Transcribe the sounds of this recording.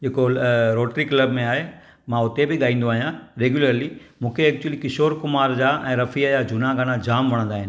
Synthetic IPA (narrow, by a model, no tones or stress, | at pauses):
d͡ʑeːkoɾoːʈɾiklɐbmẽaːɦe | mãʊt̪ebɪɠaːĩːn̆d̪oaːɦijãɾeːɡjʊləɾli | mũːkʰeɛːk̚t͡ɕuəlikɪʃoːɾkʊmaːɾd͡ʑaːʔɛ̃ːɾɐfijəd͡ʑaːd͡ʑʊnaɡanad͡ʑaːmʋɐɽ̃ə̃nd̪aːɦɪnɪ̆